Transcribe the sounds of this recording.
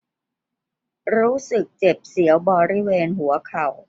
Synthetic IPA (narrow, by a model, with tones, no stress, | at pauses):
ɾuː˦˥sɯ˨˩k̚t͡ɕe˨˩p̚si˩˦əwbɔː˧ɾi˦˥weː˧nɦu˨˩˦ɐkʰa˨˩w